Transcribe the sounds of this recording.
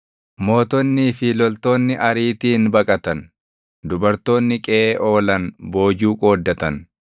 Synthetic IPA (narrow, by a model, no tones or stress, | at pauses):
mo̞ːt̪ɔnːiːfɪlɔlt̪o̞ːnːɪʔɐɾiːt̪iːnbɐkʼɐt̪ɐn | d̪ʊbɐɾt̪o̞ːnːɪkʼɛʔeːʔo̞ːlɐnbo̞ːd͡ʒuːkʼo̞ːd̪ːɐt̪ɐn